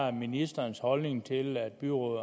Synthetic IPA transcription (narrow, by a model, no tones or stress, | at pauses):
minisd̥ɐnshɒ̽lne̝ŋt͡sʰe̝læd̥̚b̥yʁoðˠ